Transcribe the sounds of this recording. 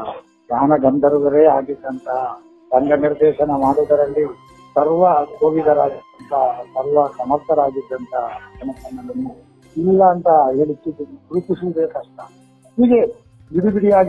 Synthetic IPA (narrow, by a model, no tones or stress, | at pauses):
d̪aːnɐɡɐnd̪ʱɐɾuɡɐɾeːaːɡid̪ːɐnt̪ʰɐ | t̪ɐŋɡɐniɾd̪ɛːʃɐnɐmaːɽud̪ɐɾɐlːi | sɐɾʋɐkoːʋid̪ɐɾaːɡid̪ːɐnt̪ɐsɐɾʋɐkɐmɐst̪ɐɾaːɡid̪ːɐnt̪ʰɐkɐnɐpɐnːɐnɐnːu | ilːɐːnt̪ɐɦeːɭit̪ːuuɾupusibeːkɐʂʈɐ | ɦiːɡe | ʋid̪ubiɽijaːɡ